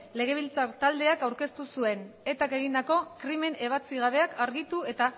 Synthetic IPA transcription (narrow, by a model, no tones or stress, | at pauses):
le̞ɣ̞e̞β̞ilt͡saɾt̪ald̪e̞akawɾke̞st̪usue̞ne̞t̪ake̞ɣind̪ako̞kɾime̞ne̞β̞at͡siɣ̞aβ̞e̞akaɾɣit̪ue̞t̪a